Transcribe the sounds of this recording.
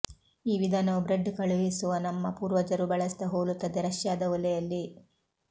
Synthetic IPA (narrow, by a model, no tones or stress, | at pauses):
iːʋid̪ʱaːnɐubɾeɖkɐɭuʋisuʋɐnɐmːɐpuːɾʋɐd͡ʒɐɾubɐɭɐst̪ɐɦoːlut̪ːɐd̪eɾɐʂjaːd̪ɐʋɔlɛjɐlːi